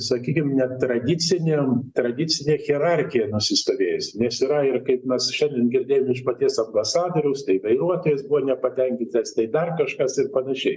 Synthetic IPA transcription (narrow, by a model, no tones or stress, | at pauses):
sɐkʲiːkʲɪmnʲɛt̪ɾɐd̪ʲɪt͡s̪ʲɪnʲemt̪ɾɐd̪ʲɪt͡s̪ʲɪnʲeːxʲɛɾɑrʲxʲɪjɛnʊsʲɪst̪oːʋʲeːjɛsʲnʲɛsɪɾɐɪrkɐɪpmʲɛsʃʲɛnʲd̪ʲɛnɡʲɪɾʲd̪ʲeːjomɪʃpɐt̪ʲiɛsɐmbɐsɑːd̪oːɾʲɛʊst̪ɐɪʋɐɪɾuɔt̪oːjɛsbuʋɔnʲɛpɐt̪ʲɛŋʲkʲɪnt̪ʲɐst̪ɐɪd̪ɐrkɐʃkɐsɪrpɐnɐʃʲɛɪ